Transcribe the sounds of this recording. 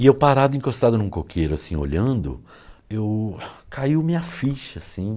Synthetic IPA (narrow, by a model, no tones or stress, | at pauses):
ɪewpaɾad̪ʊĩkost̪ad̪ʊnũkokʰejɾʊasĩo̰ʎɐ̃nd̪ʊ̰ | ewkʰaiwmĩɐfiʃɐsĩ